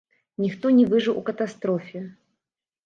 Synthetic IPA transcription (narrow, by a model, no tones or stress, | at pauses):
nʲixt̪ɔnʲɛvɨʐɨlˠʔukɐt̪ast̪ɾɔfʲɪ